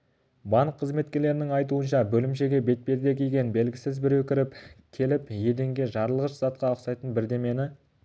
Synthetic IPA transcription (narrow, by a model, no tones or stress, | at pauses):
bɑɴqʰːəzme̞t̪kʲe̞ɾle̞ɾɪnɪŋɑjt̪̬uənʃɑbɵlɪmʃ̬e̞ɡʲe̞be̞t̪̚pe̞ɾd̪ekʲʰejɡʲe̞nbe̞lɡʲɪsɪzbɪɾwɵkʲɪɾɪpkʲʰe̞lɪpje̞d̪e̞ŋɡʲe̞ʒɑɾlˠəʁəʃz̥ɑt̪qɑoqsɑjt̪ənbɪɾd̪e̞me̞nɪ